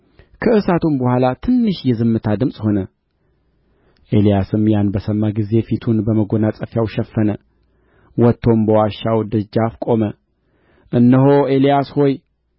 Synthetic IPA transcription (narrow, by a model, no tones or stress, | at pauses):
kʰəʔɨsat̪ʰumbəhʷalat̪ʰɨnːɨʃjɛzɨmːɨt̪ʰad̪ɨmsʼho̞nə | ʔe̞lijasɨmjanbəsəmːaɡize̞fit̪ʰunbəməɡo̞nasʼəfjawʃɛfːənə | wɔt̪ʰːo̞mbəwaʃawd̪ɨd͡ʒːafkʼo̞mə | ʔɨnːəɦoelijasho̞j